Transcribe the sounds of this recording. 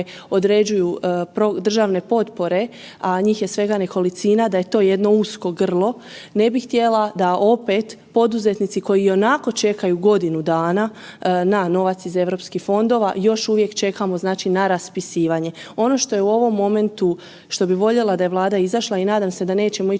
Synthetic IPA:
o̞d̪ɾe̞d͡ʑujupɾod̪r̩ʒaʋne̞po̞t̪po̞ɾe̞ | aɲiːxje̞sʋe̞ɡane̞ko̞lit̪sinad̪aje̞t̪o̞ːje̞d̪no̞usko̞ɡr̩lˠo̞ | ne̞bixt̪je̞lad̪aʔo̞pe̞t̪ | po̞d̪uze̞t̪nit̪siko̞jio̞nako̞t͡ʃe̞kajuɡo̞d̪inud̪aːnanano̞ʋat̪size̞ʋɾo̞pskixfo̞nd̪o̞ːʋa̰jo̞ʃuʋje̞kt͡ʃe̞kamo̞znaːt͡ʃinaɾaspisiːʋaɲe̞o̞no̞ʃt̪o̞jeuo̞ʋo̞mːo̞me̞nt̪u | ʃt̪o̞biʋo̞ʎelˠad̪aje̞ʋlˠaːd̪aizaʃlˠainaːd̪amse̞d̪ane̞ːt͡ɕe̞moi

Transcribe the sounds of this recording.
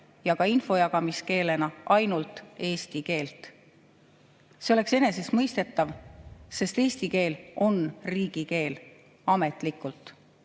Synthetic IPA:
jɑɡ̥ɑinfo̞jɑɡɑmiske̞ːle̞nɑʔɑjnult̪ˑe̞ːsʲt̪ike̞ːlt̪ˑ | se̞o̞le̞kse̞ne̞se̞smɤjst̪e̞t̪ːˑɑvse̞st̪e̞ːst̪ike̞ːlʔo̞nriːɡ̥ike̞ːl | ɑme̞t̪ˑlikːˑult̪ˑ

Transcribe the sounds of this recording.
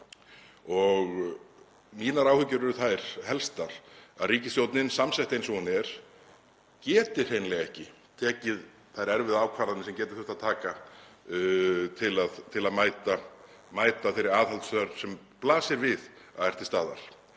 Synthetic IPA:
ɔɣ | miːnaɾawhʏcːʏɾɛɾʏθajɾ̥hɛlst̪aɾ̥aðriːcɪsjowt̪nɪnsamsɛjht̪ejnsɔhunɛɾ̥ | cɛːt̪ɪr̥hejnlɛɣɛhcɪ | t̪ʰɛːcɪð | θajɾɛɾvɪðaːwkʰvaːɾaðnɪsɛmcɛːt̪ɪɾ̥ʏ̥ht̪aðt̪ʰaːka | t̪ʰɪlaðt̪ʰɪlaðmaːjt̪a | maːjt̪aθeɪjɾːɪɾaːðhalt̪saɾ̥sɛm | plaːsɪɾvɪðaðɛr̥t̪ɪst̪aːða̰ɾ̥

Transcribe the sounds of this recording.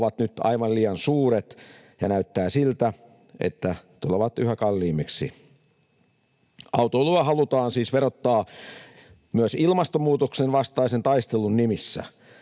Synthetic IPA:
ʋɑt̪nyt̪ɑ̰iʋɑlliːjɑnsuːɾet̪ | jɑnæyt̪ːæːsilt̪æ | ʔḛt̪ːæt̪uleʋɑt̪yhækɑlːiːmeksḭ | ʔɑwt̪oluɑhɑlut̪ɑːnsiːsʋeɾot̪ːɑː | myæsilmɑst̪omuːt̪oksenʋɑst̪ɑisent̪ɑist̪elunnimisːæ̰

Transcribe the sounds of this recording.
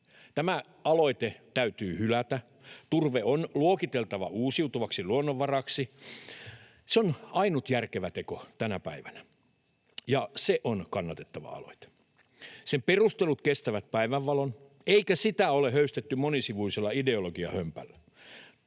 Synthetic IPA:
t̪æmæ | ɑloit̪et̪æyt̪yːhylæt̪æ | t̪urʋeonluokit̪elt̪ɑʋɑuːsiut̪uʋɑksiluonːoʋːɑrɑksi | seonɑinut̪jærkeʋæt̪ekot̪ænæpæ̰iʋænæ | jɑseʔonkɑnːɑt̪et̪ːɑʋɑ̰ɑ̰lo̰it̪e̥ | semperust̪elut̪kest̪æʋæt̪̚pæiʋæʋːɑlon | eikæsit̪æolehøyst̪et̪ːymonisiʋuiselːɑideoloɡiɑ̰hømpæ̰lːæ

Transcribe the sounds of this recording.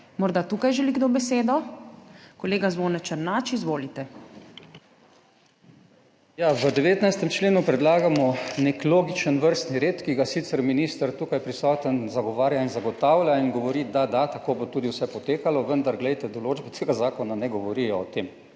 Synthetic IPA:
mɔɾd̪at̪uːkajʒɛliɡd̪obɛseːd̪ɔ | kɔleːɡazʋoːnɛt͡ʃɛɾnaːt͡ʃizʋoːlit̪ɛ | jaʋəd̪ɛʋeːt̪najst̪ɛmt͡ʃleːnupɾɛd̪laːɡamɔnekloːɡit͡ʃənʋəɾst̪niɾeːt̪kiɡasit̪sɛɾminist̪əɾt̪uːkajpɾisɔːt̪ənzaɡɔʋaːɾjainzaɡɔt̪aːwlʲjainɡɔʋɔɾid̪ad̪at̪akoːbot̪uːd̪iwsɛpɔt̪eːkalɔʋənd̪aɾɡlɛjt̪ɛd̪ɔloːd͡ʒbɛt̪ʰeːɡazaːkɔnanɛɡɔʋɔɾijɔːt̪eːm

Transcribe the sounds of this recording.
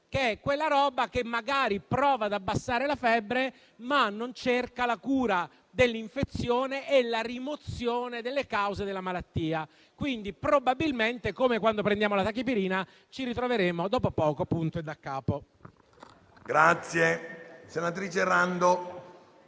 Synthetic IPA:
keɛkːwelːaɾɔːbak̟emːaɡaːɾipɾɔːvad̪abːasːaːɾelafɛbːɾe | manːont͡ʃerkalakuːɾa | d̪elːiɱfet̪sːjoːneʔɛlarimot̪sjoːned̪elːekawzed̪elːamalat̪ːiːa | kwind̪ipɾobabilment̪ekoːmekwand̪opɾẽnd̪jaːmolat̪akip̬iɾiːna | t͡ʃiɾit̪ɾoveɾeːmod̪ɔːpopɔːkopunt̪oed̪ːakːaːpo | ɡɾat̪sːjesenat̪ɾiːt͡ʃerand̪o

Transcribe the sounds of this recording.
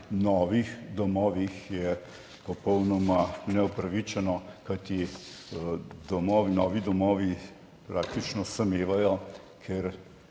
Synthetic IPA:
nɔːʋixd̪ɔmɔːʋixjɛ | pɔpɔwnɔmanɛupɾɐʋit͡ʃɛnɔkajt̪i | d̪ɔmɔːʋinɔːʋid̪ɔmɔːʋi | pɾaːk̚t̪it͡ʃnɔsɐmeːʋajɔ | kʰeɾ

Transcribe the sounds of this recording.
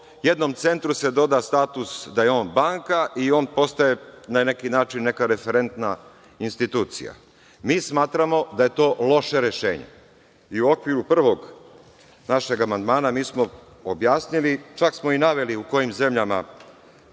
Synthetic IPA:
jed̪no̞mt̪se̞nt̪ɾuse̞d̪o̞d̪ast̪aːt̪usd̪aje̞o̞ːnbaːŋkaʔio̞ːnpo̞st̪aje̞nane̞kinaːt͡ʃinːe̞kaɾe̞feɾe̞nt̪na | inst̪it̪uːt̪sḭja̰ | miːsmaːt̪ɾamo̞d̪aje̞t̪o̞ːlo̞ʃe̞ɾeʃḛːɲḛ | iuo̞kʋiɾupr̩ʋo̞ɡ | naʃe̞ɡamand̪maːnamiːsmo | objaːsnilit͡ʃaksmo̞inaʋe̞liuko̞jimze̞mʎama

